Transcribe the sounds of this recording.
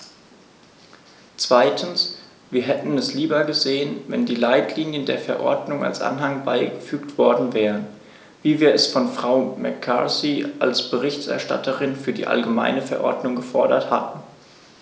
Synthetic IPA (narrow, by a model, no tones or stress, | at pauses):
t͡sv̥aɪtʰn̩s | viːɐɦɛtn̩ɛsliːbɐɡəzeːənvɛ̰ndiːlaɪtʰliːnjəndeːɐfɛɐʔɔɐdnʊŋa̰lsʔa̰nɦaŋbaɪɡəfyːktv̥ɔɐdn̩vɛːʁən | viːviːɐɛsfɔnfʁ̥aʊmɛkʰːa̰siʔa̰lsb̥əʁɪçtɛ̰ɐʃta̰tʰəʁɪnfyːɐdḭːʔa̰lɡəma̰ɪnəfɛɐʔɔɐdnʊŋɡəfɔɐɾɐ̰thatn̩